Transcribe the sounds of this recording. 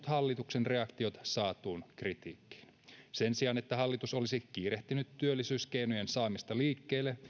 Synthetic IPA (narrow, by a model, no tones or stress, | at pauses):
t̪hɑlːit̪uksenre̞ɑkt̪io̞t̪ɑ̥sɑːt̪uːnkrit̪iːkːi̥ːn | se̞nsiɑnet̪ːæɦɑlːit̪uso̞lisikiːreht̪ynyt̪tːyølːisyːske̞jnujensɑːmist̪ɑliːkːeːlːe